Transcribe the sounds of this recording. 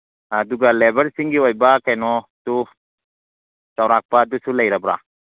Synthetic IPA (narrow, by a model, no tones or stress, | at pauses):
aduɡalebɐɾsiŋɡiojbakajnɔtu | t͡ʃawɾak̚paːdusulɐjɾabɾa̰